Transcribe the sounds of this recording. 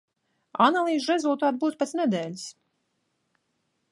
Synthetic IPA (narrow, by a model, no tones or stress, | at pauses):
a̰nalˠiːzɾɛzulˠt̪aːt̪̚buːt̪pet̪snɛd̪ɛːlʲis